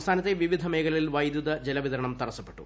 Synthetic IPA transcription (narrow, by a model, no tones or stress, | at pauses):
st̪ʰaːnɐt̪ːeʋiʋid̪ʱɐmeːɡɐlɐɭilʋɐjd̪juðɐd͡ʑelɐʋiðɐɾɐɳɐmt̪ɐrɐsːɐpːe̞̥ʈːṵ